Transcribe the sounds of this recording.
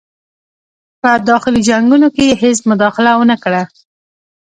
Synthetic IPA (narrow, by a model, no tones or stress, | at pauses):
pəd̪ɑxɪlid͡ʒaŋɡunokehes̬mʊd̪ɑxɪlawənəkɽa